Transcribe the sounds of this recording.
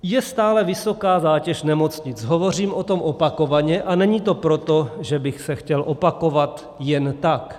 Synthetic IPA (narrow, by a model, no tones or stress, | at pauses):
jɛst̪aːlɛvɪso̞kaːzaːcɛʃnɛmo̞t͡sɲɪt͡sɦovo̞r̝iːmʔo̞t̪o̞mʔo̞pako̞vaɲɛʔanɛɲit̪o̞pɾo̞t̪o̞ʒɛbɪxsɛxcɛlʔo̞pako̞vat̪ | jɛnt̪ak